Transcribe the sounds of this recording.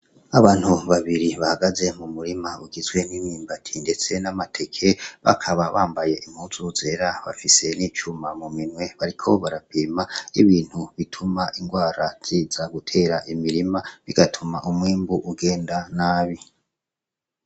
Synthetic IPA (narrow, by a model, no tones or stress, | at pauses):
aβaːn̥huβaβiɾiβahaɡaze̞mumuɾimauɡizɡwe̞nimiːmbatʰinde̞t͡se̞namatʰe̞kʰe̞βa̰kʰaβaβaːmbaje̞ʔimhuzuze̞ːɾaβa̰fise̞niːt͡ʃumamuminwe̞βaɾikʰo̞βaɾapiːmaiβiːn̥huβitʰumaʔiŋɡwaːɾaz̥izaɡutʰe̞ːɾaʔimiɾimaβiɡatʰumaʔumwiːmbuʔuɡe̞ːndanaːβi